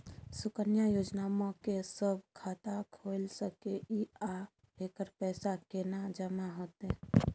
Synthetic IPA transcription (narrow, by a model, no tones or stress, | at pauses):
sʊkənjajoːd͡ʒnamõkesəbkʰaːt̪akʰolsəkeʔia | ɦeːkəɾpɛːsakenad͡ʒəmaɦoːt̪e